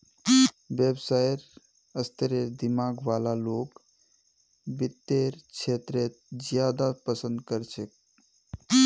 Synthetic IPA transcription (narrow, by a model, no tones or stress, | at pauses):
ʋebsajɾ | əst̪əɾed̪imaːɡʋalaloːk | bit̪ːeɾt͡ʃʰet̪ɾet̪̚d͡ʒjaːd̪apəsə̃nd̪kəɾt͡ʃʰek̚